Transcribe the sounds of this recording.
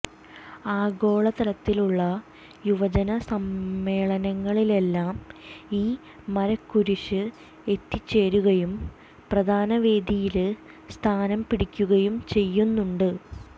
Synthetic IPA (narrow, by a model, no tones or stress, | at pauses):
aːɡo̞ːɭɐt̪ɐlɐt̪ːiluɭːɐ | juʋɐd͡ʑɐnɐsɐmːe̞ːɭɐnɐŋːɐɭile̞lːaːmiː | mɐɾɐkːuɾuɕɨ | e̞t̪ːit͡ɕːe̞ːɾuɣɐjum | prɐd̪ʱaːnɐʋe̞ːd̪ijilɨ | st̪ʰaːnɐmpiɽikʲːuɣɐjumt͡ɕe̞jːunːuɳɖɨ